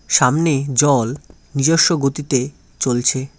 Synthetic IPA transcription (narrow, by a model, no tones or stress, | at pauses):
ʃamned͡ʑɔlnid͡ʑoʃːoɡot̪it̪e | t͡ɕolt͡ɕʰe